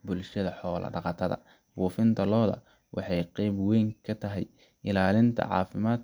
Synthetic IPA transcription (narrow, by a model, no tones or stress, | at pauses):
bʊlʃɐðɐħɔːlʔɐ̰ɖɑqɑt̪ʰɐðɐ̰ | buːfɪnt̪ʰɐlɔːðɐ̰ | wɑħɑjqɛjbwɛjŋkʰɐt̪ʰɐɦɛj | ɪlaːlɪnt̪ʰɐ̰ʕɑ̰ːfɪmaːd̪